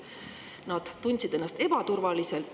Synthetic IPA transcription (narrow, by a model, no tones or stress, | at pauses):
nɑd̪̥t̪ːunʲsid̪e̞nːɑst̪e̞bɑt̪urvɑliselt̪